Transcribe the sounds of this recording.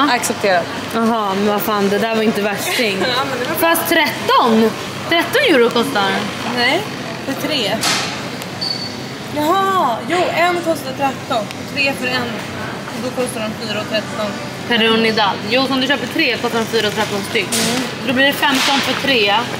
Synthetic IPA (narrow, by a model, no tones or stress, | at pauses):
aksɛp̚t̪ʰeːɾad̪ | aɦɑːmɛnvafaːnd̪ɛd̪æːɾvaɾɪnt̪əvæʂɪŋːɛfɾast̪ʰːɾɛt̪ːɔn | t̪ʰɾɛt̪ːɔnjʉːɾʊkʰɔst̪aɾ | nɛj | fəʈʰɾeː | jaɦɑjuːɛnːkʰɔst̪ɛt̪ʰɾɛt̪ːɔnɔt̪ʰɾeːfœɾɛn | ɔd̪ɔkʰɔst̪addɔmfyːɾaɔt̪ʰɾɛt̪ːɔn | kʰaɾunɪd̪ad̪juːsɔmd̪ɵɕøːpəʈʰɾeːkʰɔst̪aɾɔfyːɾaɔt̪ʰɾɛt̪ːɔnst̪ʏkːd̪ɔbliɖɛfɛmt̪ɔnfœʈʰɾeː